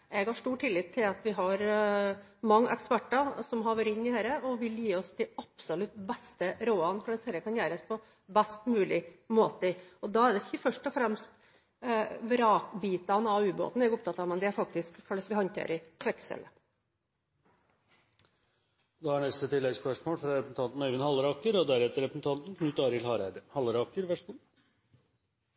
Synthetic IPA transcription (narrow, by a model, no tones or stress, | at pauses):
ɛɡhɑʂʈuːʈʰɪlːɪt̪ʰːɪlɑt̪ʋɪɦɑɾ | mɑŋːʔɛ̰kspæʈːɑsɔmɦɑʋəɾɪnːɪheːɾəɔʋɪljiːɔst̪ʰɪlɑpsɔlʉt̪bɛst̪əɾoːɑnkʰɔləshɛːɾəkʰɑnjæːɾəspʰɔ | bæst̪mʉːlɪmoːt̪əəɔd̪ɑæɖ̪ɛçəfœʂʈɔfɾɛmst̪ | ʋɾɑːkbiːt̪ɑnɑʉːbo̰ːt̪n̩ɛɡʊp̚t̪ɑt̪ːɑːʋmɛnd̪ɪæɾfɑk̚t̪ɪskkʰɑlːəsʋɪhɔnt̪ʰḛːɾɪk̪ʰɾɛksɛ̰lə | d̪ɑːhɑɳɛst̪ət̪ʰɪlːɛɡskʰɛʂmoːfɾɑɾɛpɾsn̩t̪ɑnt̪n̩ɛʋɪnhɑlɾɑːkəɾɔd̪æɾɛt̪əɾɛpɾəsn̩t̪ʰɑnt̪n̩kʰnʉt̪ːɑːɾɪlhɑːɾæɪd̪əhɑlɾɑːkəɾʋæʂuː